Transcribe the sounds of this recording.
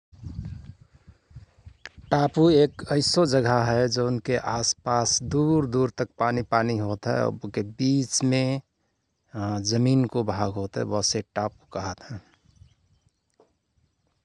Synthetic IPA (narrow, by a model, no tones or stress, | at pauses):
ʈaːpueːkəɪsod͡ʒəɡʱaɦɛd͡ʒəʊnkeʔaːspaːsd̪uɾd̪uːɾt̪ək̚paːnipaːniɦot̪ɦɛ̰̃kebiːt͡ʃmẽ | d͡ʒəmiːnkobʱaːɡɦot̪ɦɛ̰̃ʋɔːseʈaːpukəɦət̪ɦɛ̃ː